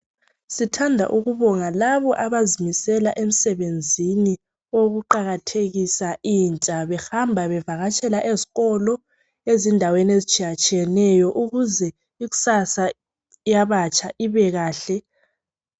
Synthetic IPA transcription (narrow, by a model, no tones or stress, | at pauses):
sitʰandʱa̰ʔuɣuβɔŋalaβɔʔaβazimisɛlaʔem̩sɛβend͡zʱini | oɣuǃaɣatʰeɣisaʔiːnt͡ʃʼaβɛxambʱaβɛvaɣat͡ʃʼɛlaʔeziɣɔlɔ | ezindʱaweniezit͡ʃʼijat͡ʃʼijɛnɛjɔʔuɣuzɛ | iɣu̥sasa | jaβat͡ʃʼaʔiβɛɣaːɬɛ